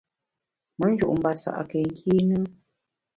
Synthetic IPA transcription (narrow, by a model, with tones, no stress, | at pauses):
mə˦n̩˦d͡ʒu˦˨ʔm̩˨ba˨sa̰˨ʔa̰˨kɛ˨ŋ̩˦kʰi˦nɨ˦